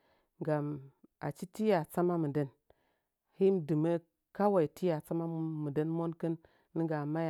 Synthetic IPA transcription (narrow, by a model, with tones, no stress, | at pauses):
ŋɡa˨ma̰˨t͡ʃi˦ti˦ja˨t͡sa˦ma˦mə˨də˦n | hi˦m˨dɨ˨me˦ | ka˦wa˨i˨ti˦ja˨t͡sa˦ma˦mə˨də˦nmo˦nkə˦nː | i˦ɡa˨ma˦ja˨